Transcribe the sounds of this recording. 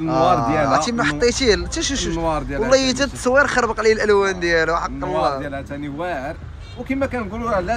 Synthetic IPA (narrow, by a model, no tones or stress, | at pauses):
nɑɾˤd̪jælt̪iməħət̪ˤːit̪ilt̪iʃəʃwɑɾˤd̪jæwəlˤːɑjət̪æsˤwːiɾˤxɑɾˤbqɑliəlʔəlwænd̪jælħɑqːnɑjælæt̪æniwæɾ | wkimækænɡululæ